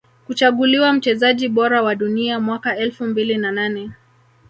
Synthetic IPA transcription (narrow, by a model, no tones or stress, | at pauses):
kut͡ʃaɠuliwam̩t͡ʃɛzaʄiɓɔɾawaɗuniamwakaɛlfumbilinananɛ